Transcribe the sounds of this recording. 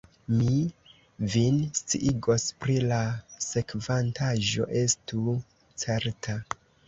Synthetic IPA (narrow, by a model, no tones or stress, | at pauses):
mi | vinst͡siʔiɡo̞spɾilase̞kvantaʒo̞̰ʔe̞stu | t͡se̞ɾtʰa